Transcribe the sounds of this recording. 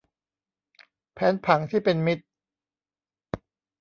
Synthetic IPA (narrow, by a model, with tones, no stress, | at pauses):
pʰɛː˦˥npʰa˩˦ŋt̪ʰiː˥˩pe˧nmi˦˥t̪̚